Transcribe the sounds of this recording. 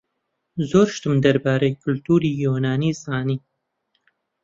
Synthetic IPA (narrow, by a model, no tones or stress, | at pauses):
zoːɾʃt̪ɨmd̪ɐɾbaːɾejkʰʊlt̪uːɾiːjoːnaːniːzaːniː